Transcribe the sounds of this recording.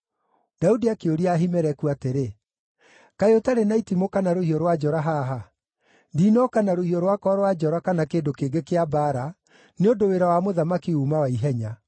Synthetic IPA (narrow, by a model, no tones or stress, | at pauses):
d̥audiakeoɾiaːɦimɛɾɛkuateɾe | kaeotaɾenaitimokanaɾohiɔɾwad͡ʒɔɾaɦaːɦa | ndiːnɔkanaɾohiɔɾwakɔːɾwad͡ʒɔɾakanakeːndokeːɡekeabaːɾa | neondoweɾawamoðamakiuːmawaiɦɛɲa